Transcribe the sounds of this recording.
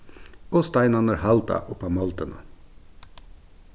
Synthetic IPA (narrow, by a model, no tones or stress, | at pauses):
oːst̪ɑɪnɑnəɾhɑlt̪ʰɑ̰ʔʊpɑmɔlt̪ənə̰